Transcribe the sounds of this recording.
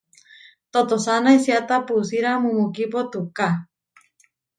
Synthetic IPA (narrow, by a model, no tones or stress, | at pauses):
t̪ot̪osanaisiat̪apusiɾamumukipot̪uka